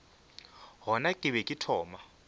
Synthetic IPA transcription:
ɦɔnakʼɪβɛkʼɪtʰɔːma

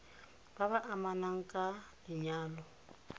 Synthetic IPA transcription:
b̥aβaʔamanaŋ̩kʼalɪɲaːlɔ

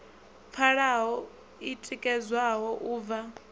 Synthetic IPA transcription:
p̪fʰaɺaɦɔ | itʼikʼɛzwaɦɔʔuːva

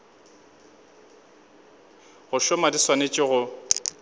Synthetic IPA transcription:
ɣʊʃʊmadiswanet͡ʃʼɪɣʊ

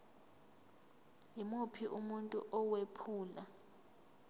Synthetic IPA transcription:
jimupʰiʔumuntʼṵʔɔwepʰuːla

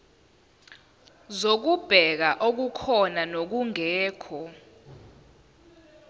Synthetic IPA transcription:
zok̬ub̥ʱɛk̬aʔok̬ukʰɔnanok̬uŋɛːkʰɔ

